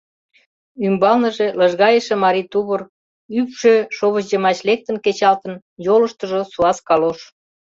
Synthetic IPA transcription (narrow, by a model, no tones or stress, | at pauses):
ymbɑlnə̆ʒeləʒɣɑjəʃĕmɑɾit̪uβər | ypʃøʃoβəʑʑemɑt͡ɕlek̚t̪ə̆nket͡ɕɑlt̪ə̆n | joləʃt̪ə̆ʒosuɑskɑloʃ